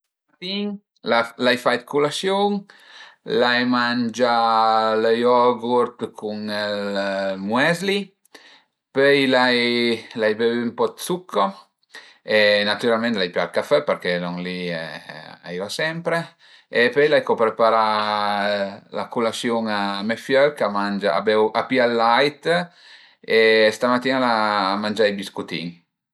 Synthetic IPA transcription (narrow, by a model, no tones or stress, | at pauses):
at̪iŋ | lalajfajt̪kulasjoŋ | lajmand͡ʒaləjɔɡuɾt̪kʰuŋɛlmwɛzli | pœjlajlajbevympɔd̪sukʰːo | enat̪yɾalmɛnt̪lajpyalkafɛpəɾkɛnɔŋliɛa̰ivasɛmpɾe | epœjlajkɔpɾepaɾa | la̰kulasjoŋamefjœɾkamand͡ʒaa̰bɛwʔapialːajt̪ | est̪amat̪ːiːnalamand͡ʒajbiskut̪ḭŋ